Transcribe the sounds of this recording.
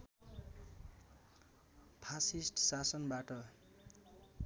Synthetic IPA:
pʰasisʈsasʌnbaʈʌ

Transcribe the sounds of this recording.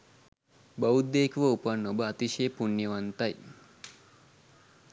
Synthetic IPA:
bəwud̪ːeːkʋəupanːobəat̪iʃeːpunjəʋant̪aj

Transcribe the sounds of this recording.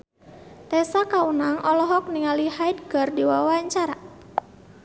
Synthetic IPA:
t̪ɛsakaunaŋʔɔlɔɦɔk̚niŋalihajdɡərdiwawaɲt͡ʃaɾa

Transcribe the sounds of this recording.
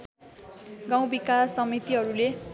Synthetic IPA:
ɡãw̃bikasʌmit̪iɦʌɾule

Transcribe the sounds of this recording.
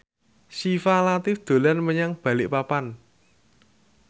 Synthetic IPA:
sifalat̪ɪfd̪̥o̤lanməɲaŋb̥ä̤lɪʔpapan

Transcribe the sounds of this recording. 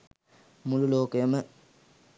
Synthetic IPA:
mululoːkəjəmə

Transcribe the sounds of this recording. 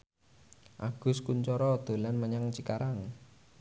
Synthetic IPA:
ʔa̰ɡ̥ʊ̤skuɲt͡ʃɔɾɔd̪̥o̤lanməɲaŋt͡ʃikaɾaŋ

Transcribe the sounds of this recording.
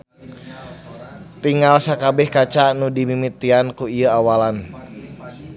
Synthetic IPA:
t̪iŋɡalsakabɛhkat͡ʃanudimimit̪iankuiəawalan

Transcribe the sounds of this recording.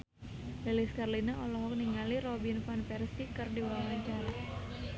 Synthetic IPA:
liliskarlinaʔɔlɔɦɔk̚niŋaliɾɔbinfanpɛrst̪ikɨrdiwawaɲt͡ʃaɾa

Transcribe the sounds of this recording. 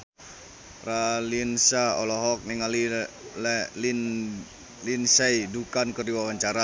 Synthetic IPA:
ralinsaɔlɔɦɔk̚niŋali | linsaidukankərdiwawaɲt͡ʃaɾa

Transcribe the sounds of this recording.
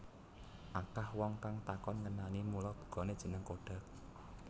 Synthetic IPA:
ʔakahwɔŋkaŋt̪akɔnŋənanimulɔb̥ṳ̥ɡ̥ɔ̤ned̥ʒ̥ə̤nəŋkoɖ̥ä̤k̚

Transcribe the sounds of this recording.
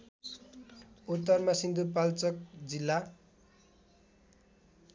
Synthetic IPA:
ot̪ːʌrmasind̪upalt͡sʌk̚d͡zilːa

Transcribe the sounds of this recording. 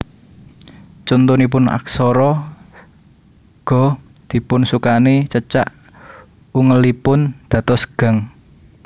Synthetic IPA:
t͡ʃɔnt̪unip̬ʊna̰ksɔɾɔ | ɡ̥ɔ̤ | d̪̥i̤pʊnsukanet͡ʃət͡ʃa̰ʔ | uŋəlipʊnd̪̥ä̤t̪ɔsɡ̥ä̤ŋ

